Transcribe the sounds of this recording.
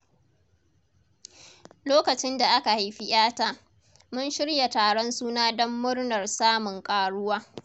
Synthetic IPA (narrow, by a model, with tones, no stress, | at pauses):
loː˦kɐ˨t͡ʃɪ˦nda˨ʔa˦ka˨ha˨jɸi˦ʔʲaː˦taː˦ | mʊ˦nʃɪ˦ɽja˨taː˨ɽɔ˦nsuː˦naː˦dɔ˦mːʊ˦rnɐ˨rsaː˦mʊ˨ŋkʼaː˨ɽʊ˦waː˦